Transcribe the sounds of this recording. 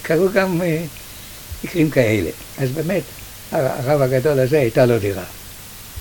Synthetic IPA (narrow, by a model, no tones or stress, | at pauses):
kʰaʁuɡam | mikʁimkae̞le̞̰ | ʔazbe̞ːme̞t | aʁavaɡado̞lhaze̞ajtalo̞diʁa